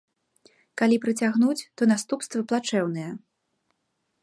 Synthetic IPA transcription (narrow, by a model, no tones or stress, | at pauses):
kalʲipɾɨt͡sʲaɣnut͡sʲt̪ɔnast̪upst̪vɐplˠat͡ʂɛwn̪ɨjɛ